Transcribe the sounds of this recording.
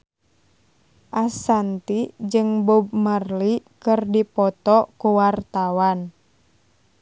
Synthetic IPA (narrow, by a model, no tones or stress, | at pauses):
ʔasant̪id͡ʒɨŋbub̚mərlikɨrdipɔt̪ɔkuwart̪awan